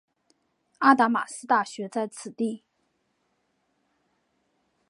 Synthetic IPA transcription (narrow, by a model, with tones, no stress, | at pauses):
a˥˩t̪a˧˥ma̰˨˩sɹ̩˥t̪a˥˩ɕɥɛ˧˥t͡sa˥˩ɪt͡sʰɹ̩˨˩t̪i˥˩